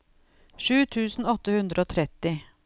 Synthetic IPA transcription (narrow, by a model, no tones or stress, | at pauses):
ʂʉːt̪ʰʉːsn̩ɔt̪ːəhʉnd̪ɾəoːt̪ʰɾɛt̪ːɪ